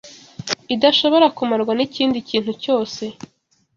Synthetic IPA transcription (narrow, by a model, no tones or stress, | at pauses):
idaʃo̞βo̞ɾakumaɾɡwaniciːndiciːn̥huco̞ːse̞